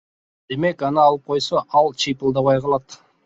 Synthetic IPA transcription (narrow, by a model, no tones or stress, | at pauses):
d̪̥e̞me̞kɑnɯɑlˠəp̚qʰo̞jsɑʔɑlˠt͡ʃʰijpəlˠd̪ɑβɑjqʰɑlˠɑt̪